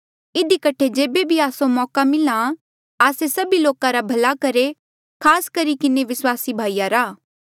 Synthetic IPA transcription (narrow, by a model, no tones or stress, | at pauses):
ɪd̪ikɐʈʰed͡ʒeːbebʱiaːsomɔːkamɪlã | aːsesɐbiloːkãɾabʱɐlakɐɾe | kʰaːskɐɾikɪneʋɪswaːsibʱaːiːjaɾaː